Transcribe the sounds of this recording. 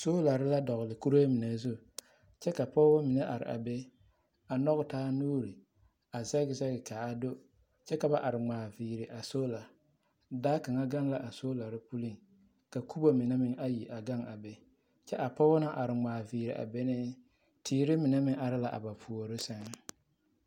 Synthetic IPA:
soː˦la˨ɾɪ˦la˦dɔ˨ɣʊ˨lɪ˨ku˦ɾe˦mɪ˨ne˨zu˦ | t͡ʃɛ˦ka˨pɔ˦wa˦mɪ˨nɛ˦ʔa̰˨ɾɪ̰˨ʔa̰˨be˦ | a˨nɔ˦ɣʊ˨taː˦nuː˦ɾi˨ | a˨zɛ˦ɡɪ˨zɛ˦ɡɪ˨ka˨a˨do˦ | t͡ʃɛ˦ka˨ba˦ʔa˨ɾɪ˨ŋ͡maː˨viː˨ɾɪ˨ʔa˨so˦la˨ | daː˦ka˨ŋa˦ɡa˦ŋla˦ʔa˨so˦la˨ɾɪ˦pu˦li˦ŋ | ka˨kʰu˦bo˦mɪ˨nɛ˦mɪ˨ŋa˦ji˨ʔa˨ɡa˦ŋa˨be˦ | t͡ʃɛ˦ʔa˨pɔ˦na˦ʔa˨ɾɪ˨ŋ͡maː˨viː˨ɾɪ̰˨ʔa̰˨be˦nɪ˦ | tʰiː˨ɾɪ˦mɪ˨nɛ˦mɪ˦ʔa˨ɾɪ˦la˨ʔa̰˨ba˨pʰu˨o˨ɾɪ˦sa˦ŋ˦

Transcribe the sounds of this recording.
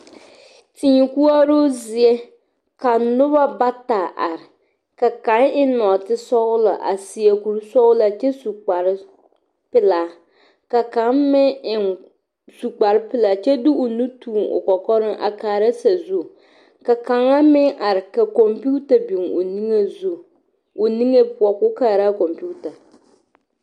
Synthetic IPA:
ti˨ɲi˨ku˦a˦ɾo˦zɪ˨ɛ˦ | ka˨nʊ˦βa˦ba˦ta˨ʔa˨ɾɪ˨ | ka˨ka˨˦ŋɪ˦nɔ˨tɪ˦sɔ˦ɣʊ˦la̰˨ʔa̰˨sɪ˨a˨ku˨ɾsɔ˦ɣʊ˦la˨t͡ʃɛ˦su˨k͡pa˨ɾ | pɪ˦la˨ | ka˨ka˨˦mmɪ˦ɪ˨ | su˨k͡pa˨ɾɪ˦pɪ˦la˨t͡ʃɛ˦du˦ʔʊ˨nu˦tʰuː˦˨ŋʊ̰˨kɔ˨kɔ˦ɾɪ˦ʔa̰˨kaː˨ɾa˦sa˨zu˦˨ | ka˨ka˨ŋa˦mɪ˦ʔa˨ɾɪ˨ka˨kɔ˨mpu˦ta˨bi˨ŋo̰˨ni˦ŋe˦zu˦˨ | o˨ni˦ŋe˦pʊ˨˦ɔ˨kʊ˦ka˦˨ɾa˦kɔ˨mpu˦ta˨

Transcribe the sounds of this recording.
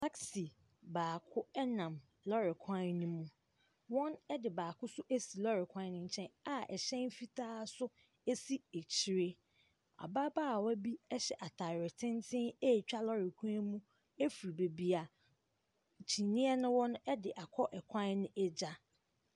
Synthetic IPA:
tʰa˦ksi˨ | baː˨kʰʊ˦ɛ˦nã˨m | lɔ˦ɾɪ˨kʰã˦nũ˦mũ˦ | wɔ̃˦nɛ˦dɪ˨baː˨kʰʊ˦sʊ˦ʔe˦si˨lɔ˦ɾɪ˨kʷʰã˦n˦nʊ̃˦ɲ̩˨t͡ɕʰɛ̃˦na˨ʔɛ˨ɕɛ̃˦n˦fi˦tʰaː˦sʊ˦ | e˦si˦e˨t͡ɕʰi˦ɾe˦ | a̰˨ba˦baː˦˨wɔ˦bi˦ɛ˦ɕɛ˨ʔa˨tʰa˨ɾɪ˨tʰɪ̃˦ntʰɪ̃˦e˦˨t͡ɕᶣa˦lɔ˦ɾɪ˨kʷʰã˦nmũ˦ | e˦fu˨ɾi˨be˨bi˨a˨ | t͡ɕʰi˨nĩ˦ɛ˦nʊ̃˦wɔ̃˦n˦ɛ˦dɪ˨ʔa˨kʰɔ˦ʔɛ˨kʷʰã˦nnɪ̃˦ʔɛ˦d͡ʑa˦

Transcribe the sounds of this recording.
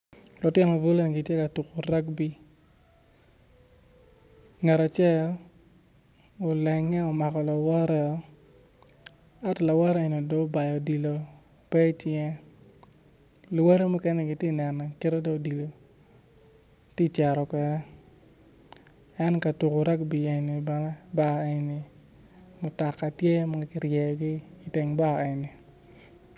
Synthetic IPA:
lɔ˨tɪ˦n˨vo˦lo˦n˨ɡi˨tje˦ka˨tu˨ko˨ɾa˦kbi˦ | ŋɛ˨ɾa˨t͡ʃɛ˦l | o˨lɛ˨ŋɛ˦ɔ˨ma˨kɔ˨la˨wɔ˦ɾɛ˦˨˦ | a˦tla˨wɔ˦ɾɛ˦e˨no˨do˦ba˨jɔ˨di˨lo˨ | pɛ˦t͡ʃjɛ˦ | lwe˦ɾe˦mu˦kɛ˦nɛ˦ɡɪ˨tje˦˨nɛ˨nːɛ˨ke˦ɾo˦do˦di˨lo˨ | ti˦t͡ʃɛ˨ɾɔ˨kwɛ˨ɾɛ˦ | ɛ˦nka˨tu˨ko˨ɾa˦k̚bi˨e˨ni˨bɛ˨nɛ˦ba˦˨e˨ni˨ | mʊ˨ta˨kːa˨tje˦ma˦ɡa˦kɪ˦ɾjɛ˨ɡi˦i˨te˨ŋba˦˨e˨ni˨

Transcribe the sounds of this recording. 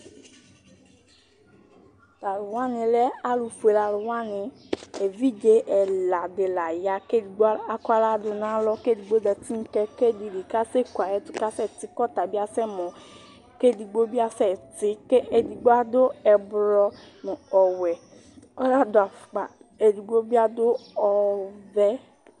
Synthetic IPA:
la˨lʊ˨wa˦nĩ˧lɛ˦a˦lu˧fu˨e˨la˨lʊ˨wa˦nɪ̃˧ | e˨vi˦d͡ʒe˦ʔɛ˨la˨de˨la˨ja˨ke˦di˨ɡ͡ba˦ka˦la˦dʊ˧nã˨˦lɔ˦ke˦di˧ɡ͡bo˦dɛ˧ti˦ŋ̩˦kɛ˧ke˦di˧di˨ka˦se˦kwa˨jɛ˦tʊ˦ka˦sɛ˦˨ti˨˦kɔ˦˨t̪a˨bi˦a˧sɛ˦˨mɔ̃˨ | ke˦˨di˧ɡ͡bo˦bi˦a˧sɛ˦˨ti˦ke˦e˨di˨ɡ͡bo˦a˦do˦ɛ˧bɾɔ˧ | nũ˨ɔ˨wɛ˨ | ɔ˦la˦do˦a˨fk͡pa̰˨ | e˨di˨ɡ͡bo˦bi˦a˧do˦ɔ˧vɛ˦

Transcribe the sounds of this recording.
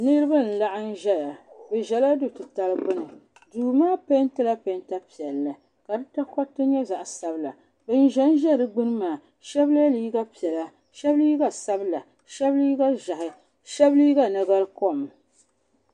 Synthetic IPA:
nɨ˦ɾɨ˦ba˦n̩˨la˦ʔa˦n̩˦ʒɛ˦la˨bɨ˨ʒɛ˨la˦du˦tɨ˨ta˨˦lɨ˦ɡ͡bɨ˦nɨ˨ | duː˨maː˦pe˦ntɨ˦la˦pa˦nta˦pi˨ɛ˨lːa˨ | ka˨dɨ˦ta˦kɔ˦tːɨ˦ɲɛ˦za˨ʔsa˨bɨ˦la˨ | bɨ˦n˦ʒɛ˦n˦ʒɛ˦˨dɨ˦ɡ͡bɨ˦nɨ˦maː˨ | ʃɛ˦bla˦liː˦ɡa˦pi˨ɛ˨la˨ | ʃɛ˦bliː˦ɡa˨sa˦bla˨ | ʃɛ˦bliː˦ɡa˦ʒa˨hɪ˨ | ʃɛ˦bliː˦ɡa˦na˨ɡa˦lko˦˨m

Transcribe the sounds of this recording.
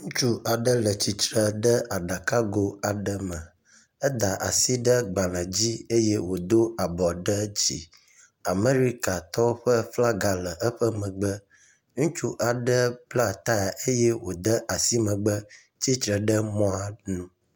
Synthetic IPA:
ŋũ˦t͡ʃu˦ʔa˨ɖə˦lə˨t͡ɕi˨t͡ʃɾə˨ɖə˦a˨ɖa˨ka˦ɡo˦a˨ɖə˦mə̃˨ | ə˦d̪a˨ʔa̰˨si˦ɖə˦ɡ͡ba˨lə̃˨d͡ʑi˦e˦je˦wo˨d̪o˦a˨bɔ˨ɖə˦d͡ʑḭ˨ | a˨me˦ɾi˦ka˨t̪ɔ˦o˦ɸə˦fla˦ɡa˨lə˨ʔə˦ɸə˦mə̃˨ɡ͡bə˦ | ŋũ˦t͡ʃu˦ʔa˨ɖə˦bla˦t̪a˦a˨ʔe˦jɛ˦wo˨d̪ə˦ʔa˨si˦mə̃˨ɡ͡bə˦ | t͡ɕi˦t̪ɾə˨ɖə˦mɔ̃˦a˨nũ˦

